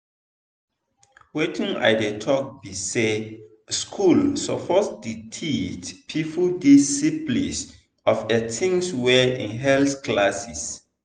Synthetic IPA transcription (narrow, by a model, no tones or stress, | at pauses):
wetʰĩŋa̰ɪdetʰɔk̚bise | skʰulsɔpʰɔtditʰitpʰipʰudisiplḭs | ɔfɛtʰĩŋswɛḭ̃nɦɛlsklasis